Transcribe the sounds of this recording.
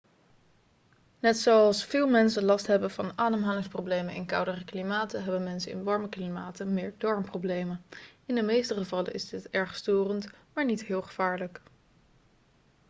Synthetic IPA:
nɛtsoɑlˠsfɪːlˠmɛnsəlɑstɦɛbənvɑnaːdəmɦaːlɪŋsprowblejmənɪ̰nkʌwdərəklimaːtəɦɛbənmɛnsənɪ̰nʋɑɹməklimaːtənmɪːɹdɔɹmproblejmənɪndəmejstəχəvɑlə̰ʔɪ̰zdɪtɛɹχstøːrəntmaːɹnitɦɪːlˠχəv̥aːɹlək

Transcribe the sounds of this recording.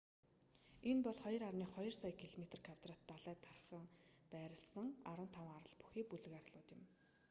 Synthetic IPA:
enpɔɮχɔjɞ̆rarniːχɔjɞ̆rsajkʰiɮomet̪̆rkʰawt̪rat̪ːaɮæːt̪ʰːarχə̆ŋpæːɾʲɪ̆ɮsə̆ŋaɾwə̆nt̪ʰawə̆ŋaɾə̆ɮpu̥xiːk̚puɮɘ̆ɣaɾə̆ɮʊːt̪jɪ̆m

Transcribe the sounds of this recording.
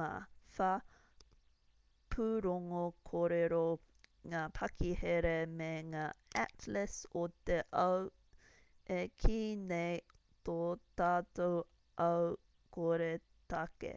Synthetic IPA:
a̰fa | pʰuɾoŋokʰoːɾeɾo | ŋaːpʰɐkʰiheɾemeŋaːæt̪lɪsot̪eʔɐw | ʔekʰinej | t̪ot̪aːt̪ow | ʔɐw | koɾe | t̪ɐkḛ

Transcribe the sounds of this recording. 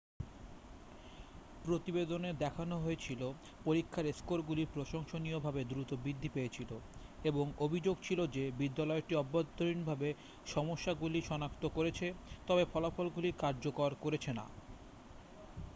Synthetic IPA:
pɾot̪ibed̪oned̪ɛkʰanoɦoet͡ɕʰilo | poɾikʰːaɾeskoɾɡuliɾpɾoʃoŋʃoniobʱabed̪ɾut̪obɾid̪ʱːipejet͡ɕʰiloeboŋobʱid͡ʑoɡ̚t͡ɕʰilod͡ʑebid̪ːalɔeʈiɔbːad̪oɾinbʱabe | ʃɔmoʃːaɡuliʃɔnakt̪okoɾet͡ɕʰet̪ɔbefɔlafɔlɡulikaɾd͡ʑokoɾkoɾet͡ɕʰena̰

